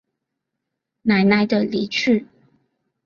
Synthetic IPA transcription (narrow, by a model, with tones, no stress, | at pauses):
na˨˩ɪna˥˩ɪd̪ə˨li˨˥t͡ɕʰy˥˩